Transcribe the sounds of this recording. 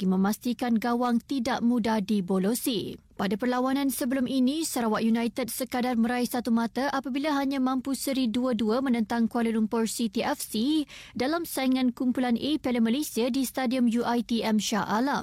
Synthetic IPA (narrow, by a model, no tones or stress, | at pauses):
imə̃mast̪ikanɡawaŋt̪idaʔmũdahdibolosi | padapərlawanãnsəbəlʊmʔinĩsəɾawaʔjunajt̪əd̚səkadarmə̃ɾaisat̪umãt̪aʔapabilaɦaɲãmãmpusəɾiduəduəmə̃nə̃nt̪aŋkualilumpɔrsit̪iʔɛfsidalamsaiŋãnkumpulanʔepɛləməlesiadist̪adiɔmjuʔajt̪iɛmʃaʔalam